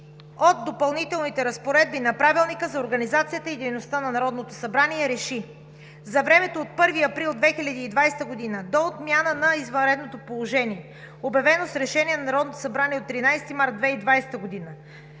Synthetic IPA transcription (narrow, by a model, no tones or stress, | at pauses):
ot̪̚d̪ːopɐlˠnit̪ɛlˠnit̪ɛɾɐspoɾɛd̪̚binɐpɾavilˠnikəzɐoɾɡɐnizat̪sijət̪əid̪ɛjnost̪anɐnɐɾɔd̪not̪osɐbɾaniɛɾɛʃi | zɐvɾɛmɛt̪oːt̪̚pɤɾviɐpɾilˠd̪vɛxilʲɐd̪iːd̪vajst̪əɡod̪inəd̪oːt̪mʲjanənɐizvɐnɾɛd̪not̪opolˠoʒɛniɛ | obɐvɛnosɾɛʃɛniɛnɐnɐɾɔd̪not̪o̥sɐbɾaniɛot̪ːɾinajst̪imaɾt̪̚d̪vɛid̪vajsɛ̥t̪əɡod̪inə